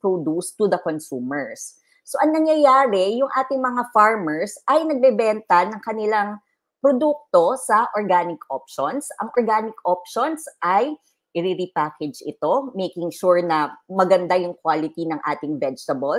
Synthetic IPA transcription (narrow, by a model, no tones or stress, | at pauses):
pɹod̪ust̪ːʊd̪ɐkonsuːmɛɹsː | o̞ʔɐŋnɐŋjɐjaːɾɛjʊŋʔaːt̪ɪŋmɐŋafaɹmɛɹsʔɐjnɐɡ̚bɛbɛnt̪ɐnɐŋkɐnɪlaŋ | pɾod̪uk̚t̪o̞sɐʔoɹɡaːnɪkopʃonsʔɐŋʔoɹɡaːnɪkopʃonsʔɐj | ʔɪɾiɾipaːkɛd͡ʒʔɪ̰t̪o̞mejkɪŋʃuɹnɐmɐɡɐnd̪ajʊŋkwaːlɪt̪inɐŋʔa̰ːt̪ɪŋvɛd͡ʒt̪ɐbɐl